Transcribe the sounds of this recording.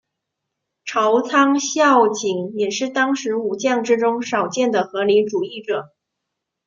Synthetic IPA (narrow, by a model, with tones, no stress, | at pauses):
ʈ͡ʂʰɑ˧˥ʊt͡sʰɑ˥ŋɕjɑ˥˩ʊt͡ɕi˨˧˩ŋjɛ˨˩ʂɻ̩˥˩t̪ɑ˥ŋʂɻ̩˧˥u˨˩t͡ɕjɑ˥˩ŋʈ͡ʂɻ̩˥ʈ͡ʂʊ˥ŋʂɑ˨˩ʊt͡ɕjɛ˥˩nd̪ə˩xɤ˧˥li˧˥nʈ͡ʂu˨˩i˥˩ʈ͡ʂɤ˨˩˦